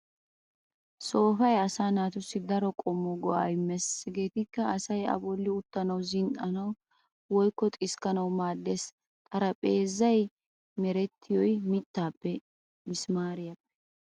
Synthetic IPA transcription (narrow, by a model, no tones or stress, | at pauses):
so̞ːfɐjɐsaːnaːt̪ʊsːɪd̪ɐɾɔkʼɔmːɔɡɔajɪmːɛsɡe̞ːt̪ɪkːɐːsɐjɐ̰bɔlːɪʊt̪ːɐnɐwzɪntɐnɐw | wɔjkːɔt̪ʼɪskɐnɐwmaːd̪ːe̞ːs | t̪ʼɐɾɐpʼeːzːɐj | mɛɾɛt̪ːɪjɔjmɪt̪ːaːpːɛ | mɪsmaːɾɪjɐpːɛ̥